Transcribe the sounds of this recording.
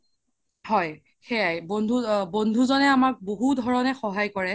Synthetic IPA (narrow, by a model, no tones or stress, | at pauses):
hɔj | xɛjajbondʱubondʱuzɔnɛamak̚boɦudʱɔɹɔnɛxɔɦajkɔɹɛ